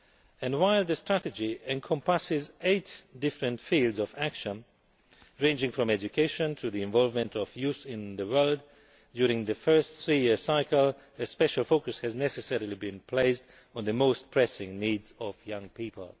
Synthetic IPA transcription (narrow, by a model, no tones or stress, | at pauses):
ɨ̃nwaɪlˠðɨstɹ̥æɾɨd͡ʒiɛ̃nkʰɔ̃mpasɪzeɪtd̥ɪfɹɨ̃ntfilˠdzɔvækʃə̃n | ɹẽɪ̃nd͡ʒɪ̃ŋfɹɔ̃mɛd͡ʒɨkʰeɪʃə̃ntʰuðiɨ̃ɱvɔlˠvmɨ̃ntɔvjuθɪ̃nðəwɜ˞lˠd | djʊɹɪ̃ŋðɨfɜ˞stθɹijɪɹsaɪkəlˠ | ɨspɛʃəlˠfoʊkɨshɨznɛsɨsɛɹəlˠibɨ̃npʰl̥eɪsd | ɔ̃nðəmoʊst̚pʰɹ̥ɛsɪ̃ŋniːdzɔvjʌ̃ŋpʰipə̰l̩ˠ